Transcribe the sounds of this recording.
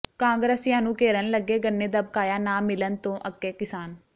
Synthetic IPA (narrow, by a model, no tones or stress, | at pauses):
kãːŋɡɾəsjãːnũːkeːɾənləɡːeːɡənːeːd̪əb̚kaːjaːnaːmɪlənt̪õːʔəkːeːkɪsaːn